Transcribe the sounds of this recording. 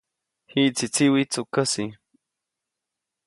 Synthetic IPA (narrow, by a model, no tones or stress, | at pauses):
hit͡sit͡siwit͡sukasi